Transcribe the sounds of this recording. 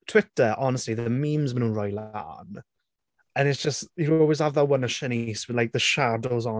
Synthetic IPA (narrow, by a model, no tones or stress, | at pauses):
tʰw̥ɪtəɹʔɔnəstˡliðəmĩmzmənũːnɹɔjla̰n | ə̃nɪtsd̥ʒ̥əstjəɾɔːlˠwɪz̥avðəwənəʃəniswɪlaɪk̚ðəʃadoʊzɔ